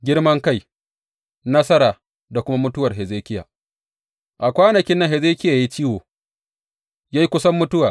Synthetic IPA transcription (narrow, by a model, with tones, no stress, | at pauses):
ɡʲɪ˦rmɐ˦ŋka˦˨j | nɐ˦sɐ˦ɾaː˨ | da˨kʷʊ˦ma˦mʊ˦tʊ˦wɐ˨rɦɛ˨zeː˦kʲɪ˦ja̰ː˨ | ʔa˨kʷaː˦nɐ˨kʲɪ˦nːɐ˦ŋhɛ˨zeː˦kʲɪ˦jaː˨ja˦ji˦t͡ʃiː˦woː˨ | jaː˦ji˦kʷʊ˦sɐ˦mːʊ˦tʊ˦waː˨